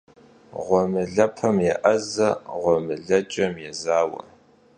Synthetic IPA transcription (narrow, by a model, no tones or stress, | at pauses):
ʁʷɔmɨɮɐpʰɐmjɛʔɐzɐʁʷɔmɨɮɐt͡ʃʼɐmjɛzaːwɐ̰